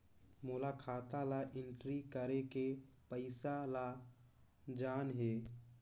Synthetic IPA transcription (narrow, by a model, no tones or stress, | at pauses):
mʊːlakʰaːt̪alaʔɪ̃ɳʈɾikəɾeke | pəɪsala | d͡ʒaːnɦeː